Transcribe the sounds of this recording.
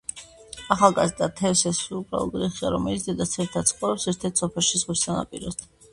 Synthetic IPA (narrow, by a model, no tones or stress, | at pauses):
aχalˠɡazd̪at̪ʰɛfsɛsubʼɾa̰lˠɔ̰ɡɾiχiaɾɔmɛlit̪ʰd̪ɛd̪at̪sʰɛmit̪ʰat̪sʰχʼɔɾɛpsɛɾt̪ʰɛɾt̪sɔpʰɛlˠʃizʁwisana̰pʼḭɾɔ̰st̪ʰ